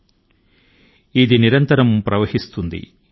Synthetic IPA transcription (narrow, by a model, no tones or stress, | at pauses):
id̪iniɾɐnt̪ɐɾɐmpɾɐʋɐhist̪und̪ḭ